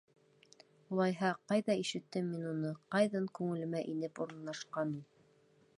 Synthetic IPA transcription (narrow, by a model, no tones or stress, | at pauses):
ulˠɑjɦɑqɑjðɑiʃɘ̆t̪ːɘmːinunɤqɑjðɑŋkʉŋɘ̆lɘ̆mæʔinɘpuɾɤ̆nlˠɑʃqɑnulˠ